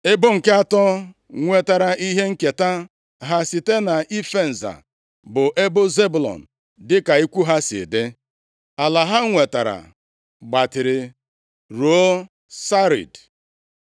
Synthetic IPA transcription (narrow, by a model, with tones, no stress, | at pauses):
ɪ˦bʊ˦ŋ̩˨ke˦a˦tɔ˦ | ŋʷe˨ta˨ɾa˨ʔi˦ɦe˦ŋ̩˦ke˨ta˦ | ɦa˦si˨te˦na˨ʔi˦fe˦˨n̩˨za̰˨ | bʊ˨ʔe˦bʊ˦ze˦bʊ˨lɔ̰˨n̩˨ | dɪ˦ka˨i˦kʷu˦ɦa˦sɪ̰˨de˦ | a˨la˨ɦa˦ŋʷe˨ta˨ɾa̰˨ | ɡ͡ba˨tɪ˨ɾɪ˨ | ɾu˨o˦ | sa˦ɾḭ˨d